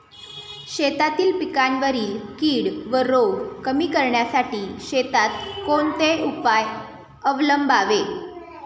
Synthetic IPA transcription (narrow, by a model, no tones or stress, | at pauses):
ɕet̪at̪iːlpikanʋəɾiːkiːɽʋəɾoɡkəmiːkəɾɳjasaʈiːɕet̪at̪koɳt̪eupaj | əʋləmbaʋe